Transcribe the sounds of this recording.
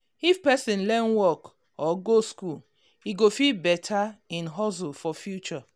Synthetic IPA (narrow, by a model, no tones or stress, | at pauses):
ifpɛsĩnlɛ̃nwɔk | ɔɡoskul | hiɡofilbɛtʰaĩnɦɔs̬ufɔfjut͡ʃɔ